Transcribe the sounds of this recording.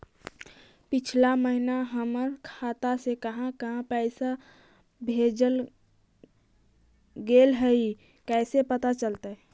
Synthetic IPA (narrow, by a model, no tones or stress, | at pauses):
pɪt͡ʃʰlaməɦinaɦəməɾkʰaːt̪asekəɦãkəɦãpɛɪsa | bʱed͡ʒəl | ɡeːlɦəi | kɛːsepət̪at͡ʃəlt̪aɦɛ